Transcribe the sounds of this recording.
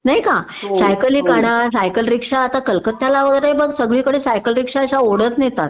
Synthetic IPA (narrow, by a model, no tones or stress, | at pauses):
naɦjka | sajkəliːkaɽasajkəlɾikʂaːt̪akəlkət̪jalaʋəɡəjɾaibəɡsəɡɭiːkəɽiːsajkəlɾikʂaəɕaoɽət͡s̪net̪at̪